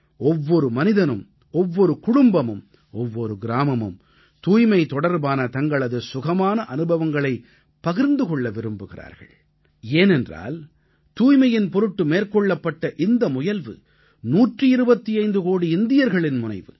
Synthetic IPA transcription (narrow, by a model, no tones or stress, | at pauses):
ɔʋːɔɾɯmɐnɪðɐnɯm | ɔʋːɔɾɯkʊɽʊmbɐmɯm | ɔʋːɔɾɯɡɪɾaːmɐmɯ̰m | t̪uːjmɐɪt̪ɔɽɐɾbaːnɐt̪ɐŋɡɐɭɐðɯsʊɣɐmaːnɐʔɐnɯbɐʋɐŋɡɐɭɐɪ | pɐɣɪɾnd̪ɯkɔɭːɐʋɪɾɯmbɯɣɪra̰ːɾɣɐ̰ɭ | eːnɛndra̰ːl | t̪uːjmɐjɪnpɔɾɯʈːɯmeːɾkɔɭːɐpːɐʈːɐʔɪnd̪ɐmʊjɐlʋɯ̰ | nuːʈrɯɪɾɯbɐt̪ːiɐɪnd̪ɯkoːɽiɪnd̪ɪjɐɾɣɐɭɪnmʊnɐɪʋɯ̰